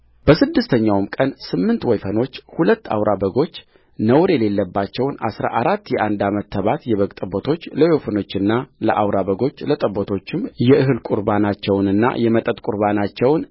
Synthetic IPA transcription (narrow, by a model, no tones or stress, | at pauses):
b̥əsɨd̪ːɨst̪ʰəɲːawmkʼənsɨmːɨnt̪wɔjfəno̞t͡ʃːhulət̪ːa̰wɾʔabəɡo̞t͡ʃː | nəwɾjɛle̞lːəbːat͡ʃːɛwna̰sɾa̰ʔaɾat̪ːjɛʔand̪amət̪ʰːəβat̪jɛβəɡʼt̪ʼəbot̪ʰo̞t͡ʃːləjofəno̞t͡ʃːɨnːaləʔawɾaβəɡo̞t͡ʃːlət̪ʼəbːot̪ʰo̞t͡ʃːɪmjɛʔɨɦɨlkʼuɾbanat͡ʃːɛwnɨnːa̰jɛmət̪ʼət̪ʼkʼuɾbanat͡ʃːɛwn